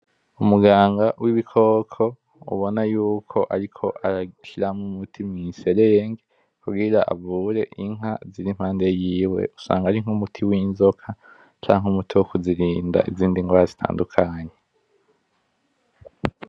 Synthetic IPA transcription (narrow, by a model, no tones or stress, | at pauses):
umuɡaːŋɡawʔiβikʰo̞ːkʰo̞ | ṵβo̞najuːkʰo̞ʔaɾikʰo̞ʔaɾaʃiɾamumutʰimŋise̞ɾejeŋɡe | kuɡiɾaʔa̰vuɾe̞̰ʔiŋɦaziɾim̥haːnde̞jiːwe̞̰usa̰ːŋɡaɾiŋ̥umutʰiwiːnzo̞kʰa | t͡ʃaːŋumutʰiwokuziɾiːnda̰ʔḭziːndiŋɡwaːɾazitʰa̰ːndukʰaːɲe